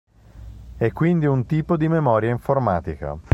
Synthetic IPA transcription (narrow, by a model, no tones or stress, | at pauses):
ɛkːwind̪iunt̪iːpod̪imemɔːɾjaiɱformaːt̪ika̰